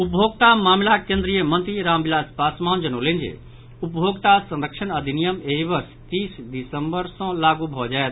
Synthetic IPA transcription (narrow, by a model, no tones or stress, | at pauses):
upbʱoɡ̚t̪amamlakẽnd̪ɾijəmənt̪ɾiɾaːmbilad͡ʒpasmaːnd͡ʒənolẽnd͡ʒḛ | upbʱoɡt̪asə̃nd̪əkʂʰənəd̪ʱinijəmeɦibəst̪iːsd̪isəmbəɾsə̃laɡubʱɔd͡ʒaet̪